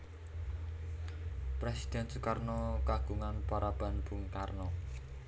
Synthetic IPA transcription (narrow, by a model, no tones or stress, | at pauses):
pɾɛsi̥d̪̥ɛnsukarnɔkaɡ̥uŋanpaɾab̥a̤nbṳŋkarnɔ